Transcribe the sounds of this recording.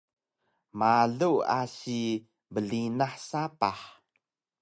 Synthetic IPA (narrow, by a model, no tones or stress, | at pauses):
maɮua̰si | bəɮinaħsapaħ